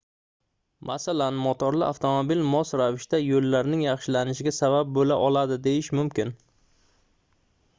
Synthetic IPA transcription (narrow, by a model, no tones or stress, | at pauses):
mʔasalanmɒt̪ʰɒɾlɪʔaft̪ʰomobilmɒsɾavɪʃt̪ajolːaɾnɪŋjɑχʃɪlanɪʃɪɡʲasabab̚bolaʔɒlad̪ɪd̪ejɪʃmʊmkʲɪn